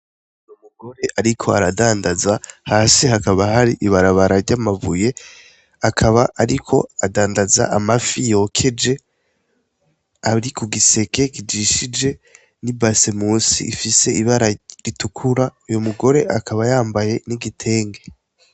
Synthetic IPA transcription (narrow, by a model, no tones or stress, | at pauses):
ujumuɡo̞ɾe̞ʔaɾikʰo̞aɾadaːndazahaːsihakaβahaɾiʔiβaɾaβaɾaɾɟamavuje̞ | akʰaβaːɾikʰo̞adaːndaza̰ʔamafijo̞kʰe̞d͡ʒe̞ | aɾikuɡise̞ke̞kid͡ʒiʃid͡ʒe̞ | nibasemusḭifise̞ʔiβaɾaɾitukʰuɾaujumuɡo̞ɾe̞ʔakʰaβajaːmbaje̞niɡitʰe̞ːŋɡe̞